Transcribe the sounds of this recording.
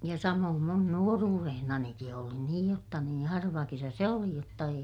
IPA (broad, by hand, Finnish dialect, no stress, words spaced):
jɑ sɑmoːm mun nuoruːrehnɑniki oli niːj jotːɑ nĩː hɑrʋɑ kesæ se oli jotːɑ ei